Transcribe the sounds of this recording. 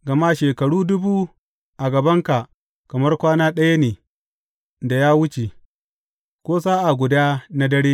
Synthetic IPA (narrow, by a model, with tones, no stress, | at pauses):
ɡɐ˨ma˦ʃeː˨kɐ˨ɽuː˦dʊ˦buː˦ | ʔa˨ɡɐ˨bɐ˦ŋka˨ | kɐ˨mɐ˦rkʷaː˦naː˦ɗɐ˦ja˦neː˨ | da˨jaː˦wʊ˦t͡ʃe˨ | kʷoː˦saː˦ʔa˨ɡʷʊ˨daː˦na˦dɐ˦ɽeː˦